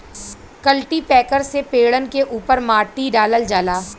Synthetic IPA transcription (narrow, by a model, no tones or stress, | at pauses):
kəlʈipɛːkəɾsepeːɽənkeʔuːpəɾmaːʈːiɖaːləld͡ʒaːlaː